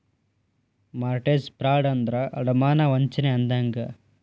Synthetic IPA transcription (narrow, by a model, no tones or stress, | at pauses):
maːɾʈeːspɾaːɽɐnd̪ɾɐʔɐɽɐmaːnɐʋɐɲt͡ʃɐneɐnd̪aːŋɡɐ